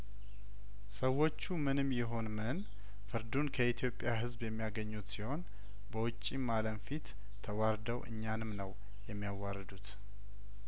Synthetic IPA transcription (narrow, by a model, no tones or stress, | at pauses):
səwːot͡ʃːumɨnɨmjɛɦo̞nmɨn | fɨɾd̪unkʰəit̪ʰjo̞pʼːjaɦɨzbjɛmːijaɡəɲːut̪siho̞n | bəwʊt͡ʃʼːimaləmfit̪ʰː | əwaɾd̪əwʔɨ̰ɲːanɨmnəw | jɛmːijawːaɾəd̪ut̪